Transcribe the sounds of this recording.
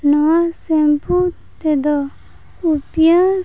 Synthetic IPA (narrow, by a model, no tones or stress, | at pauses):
nɔwasẽmput̪ed̪ɔ | upjã